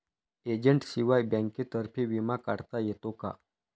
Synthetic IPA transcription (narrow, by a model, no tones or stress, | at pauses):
ed͡ʑəɳʈsiʋajbɛ̃ŋkit̪əɾpʰiʋimakaɽt̪ajet̪oka̰